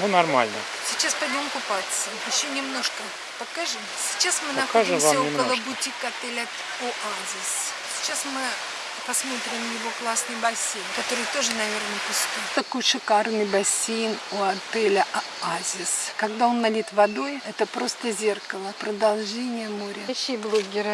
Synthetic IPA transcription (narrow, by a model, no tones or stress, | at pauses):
nunɐrma̰lʲnə̰ | sʲɪt͡ɕːaspɐdʲmʲomkʊpat̪səjɪɕːonʲɪmno̞ʂkə | pɐkaʐɨmsʲɪ̥t͡ɕːasmɨnɐkaʐɨvʲnʲɪəlˠəbʊtʲikɐt̪ɛlʲatʲ | oʔazʲɪs | sʲɪ̥t͡ɕːasmɨ | pɐsmo̞t̪ɾʲɪmjɪvo̞klˠasnɨjbɐsʲejnkɐt̪o̞ɾɨjt̪o̞ʐɨnɐvʲe̞rnəjpʊskujt̪ɐkujʂɨkarnɨjbɐsʲejnoɐt̪ɛlʲə | azʲɪskɐɡd̪ao̞nːɐlʲit̪vɐd̪o̞jɛt̪əpɾo̞st̪əzʲe̞rkəlˠəpɾəd̪ɐlˠʐɛnʲɪjəmoɾʲəɕʲiblˠoɡʲɪɾɨ